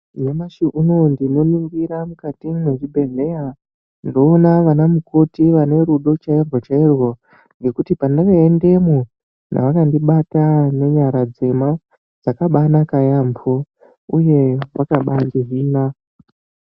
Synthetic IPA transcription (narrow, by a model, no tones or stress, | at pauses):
ɲamaʃiʔuno̞ndino̞nuŋɡiɾamukatimeʐibʱe̞ɮe̞ja | ndo̞ːnaʋanamuko̞tiʋane̞ɾuɗo̞t͡ʃairwot͡ʃairwo̞ | ŋɡe̞kutipaneʋeendemo | na̰ʋakandiɓatane̞ɲaɾad͡zema | d͡zakaɓanakajambʰo | uje̞ʋakaɓandiʐiːna